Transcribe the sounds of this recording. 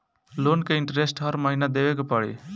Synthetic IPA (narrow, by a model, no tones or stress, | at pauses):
lonkeiɳʈɾesʈɦʌɾməɦinad̪eʋekepəɽḭ